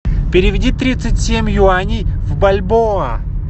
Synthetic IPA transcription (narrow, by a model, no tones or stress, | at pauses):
pʲɪɾʲɪvʲɪdʲit̪ɾʲit̪sɨtʲsʲemʲjuanʲivbɐlʲboə